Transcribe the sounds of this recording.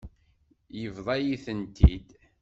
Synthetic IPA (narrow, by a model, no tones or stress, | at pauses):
jəvðˤɑjiθənt̪ḭd̪